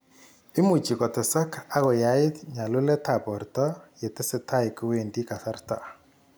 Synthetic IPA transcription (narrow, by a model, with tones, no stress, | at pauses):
ɪ˦mu˨t͡ʃi˨kɔ˨tɛ˨sa˦ka˦ɣɔ˨ja˨˦ɪ˦tɲa˨lu˦lɛ˦ta˨pɔ˨rtɔ˦je˨te˦se˦ta˦i˨ku˦we˨ndi˦ka˨sa˦rta̰˨